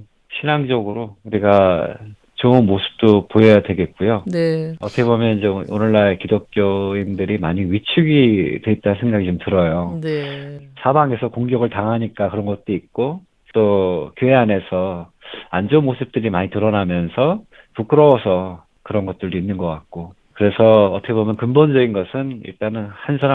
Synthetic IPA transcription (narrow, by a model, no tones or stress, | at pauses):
ɕʰinaŋd͡ʑʌɡɯɾouɾiɡa | t͡ɕounmosʰɯ̥p̚t͈opojʌjadwe̞ɡe̞t̚k͈ujoneʌt͈ʰʌkʰebomjʌnid͡ʑeonɯɭːaekidok̚k͈joindɯɾimaɲiɥit͡ɕʰuɡidwe̞it̚t͈anɯnsʰe̞ŋɡaɡit͡ɕomtɯɾʌjonesʰabaŋe̞sʰʌkoŋɡjʌɡɯɭtaŋɦaɲik͈akɯɾʌnɡʌt̚t͈oit̚k͈o | t͈okjoe̞ane̞sʰʌand͡ʑomːosʰɯp̚t͈ɯɾimaɲitɯɾʌnamjʌnsʰʌ | puk͈ɯɾʌwʌsʰʌ | kɯɾʌnɡʌt̚t͈ɯɭdoinːɯnɡʌk͈at̚k͈o | kɯɾe̞sʰʌːtʰʌkʰebomjʌnkɯmbond͡ʑʌɡinɡʌsʰɯnḭɭt͈anɯnhansʰaɾa